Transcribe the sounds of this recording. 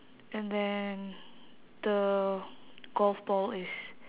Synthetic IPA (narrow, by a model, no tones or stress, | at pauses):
ɛ̃ndɛ̃n | də | ɡ̥ɔlfbɔlɪs